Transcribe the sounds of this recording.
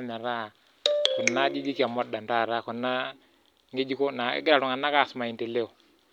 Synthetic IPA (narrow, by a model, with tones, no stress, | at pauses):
mɛ˨ɾa˦˨ | ku˨nːa˦d͡ʒi˦d͡ʒi˦ka˨mɔ˦da˨nta˦˨ɾa˦˨ku˨nːa˦ | ŋe˦d͡ʒi˦ko˦na̰˨˦ɡi˦da˨ɾu˨ŋa˨nːa˦ka˦˨sma˨i˨nte˨le˦o˨